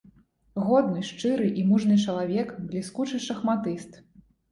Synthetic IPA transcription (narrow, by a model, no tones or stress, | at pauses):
ɣɔd̪nɨʂt͡ʂɨɾɨʔimuʐnɨt͡ʂɐlˠavʲɛkblʲiskut͡ʂɨʂɐxmat̪ɨst̪